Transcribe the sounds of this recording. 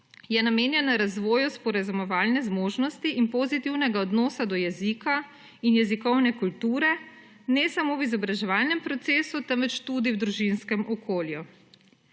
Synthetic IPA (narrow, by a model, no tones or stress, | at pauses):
jɛnameːnjɛnaɾazʋɔːjuspɔɾazumɔʋaːlnɛzmoːʒnɔst̪iʔinpozit̪iwnɛɡaɔd̪nɔːsad̪ɔjɛzika | injɛzikɔwnɛkult̪uːɾɛ | nɛsamowizɔbɾaʒɛʋaːlnɛmpɾɔt̪seːsut̪ɛmʋɛt͡ʃt̪uːd̪iwd̪ɾuʒinskɛmɔkʰoːlju